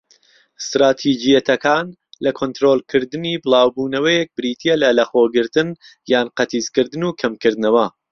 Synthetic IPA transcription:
st̪ɾaːt̪ʰid͡ʒijɐt̪ʰɐkʰaːn | lɐkʰont̪ɾoːlˠkʰɨɾd̪ɨniːbɨlˠaːwbuːnɐwɐjɛk̚bɨɾiːt̪ʰijelɐlɐxoːɡɨɾt̪ɨn | jaːnqɐt̪ʰiːzkɨɾd̪ɨnuːkʰɐmkɨɾd̪ɨnɐwɐ

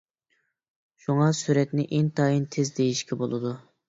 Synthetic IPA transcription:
ʃuŋɑsyɾɛt̪nɪʔent̪ʰɑjint̪ʰezd̪ejiʃkʲʰɛbolˠɨd̪u

